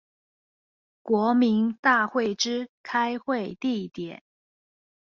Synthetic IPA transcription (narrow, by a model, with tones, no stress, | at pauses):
kwɔ˧˥mi˧˥nt̪a˥˧xwe˥˩ɪʈ͡ʂɻ̩˥kʰa˥ɪxwe˥˧ɪt̪i˥˩t̪jɛ̰˨˩˦n